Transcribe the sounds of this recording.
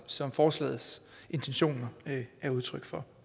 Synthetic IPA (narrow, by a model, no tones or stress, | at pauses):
sɒ̽mfɒːslɛ̰ːð̩ˠs | e̝nt͡sʰenɕo̝̰ːnɐæɐuðˠt͡sʰʁœɡ̥fɒ̽